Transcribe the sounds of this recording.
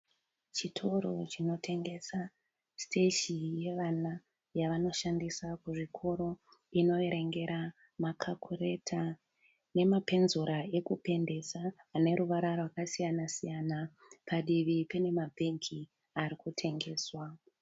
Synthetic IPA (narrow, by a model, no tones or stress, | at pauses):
t͡ʃitʰo̞ɾo̞t͡ʃino̞tʰe̞ŋɡe̞sa | stʰe̞t͡ʃije̞ʋana | jaʋano̞ʃandisakuʐikʰo̞ɾo̞ | ino̞eɾe̞ŋɡe̞ɾa | makʰakʰure̞tʰa | ne̞mapʰe̞nzuɾae̞kupe̞nde̞saːne̞ɾuʋaɾarwakasijanasijana | pʰaɗiʋipene̞mabʱe̞ŋkʰi | aɾikutʰe̞ŋɡe̞ːswa